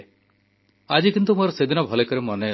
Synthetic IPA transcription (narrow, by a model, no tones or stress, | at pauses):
ad͡ʒikint̪umoɾɔsed̪ʱinɔbʱɔlekɔɾemɔne